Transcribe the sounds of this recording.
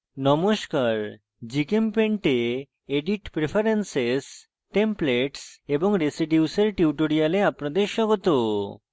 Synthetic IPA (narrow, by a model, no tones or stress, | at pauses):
nɔmoʃkaɾ | d͡ʑikempeɳʈe | eɖiʈpɾefʰaɾenses | ʈempleʈseboŋɾesiɖjuseɾʈiuʈoɾialeapnad̪eɾʃɔɡot̪o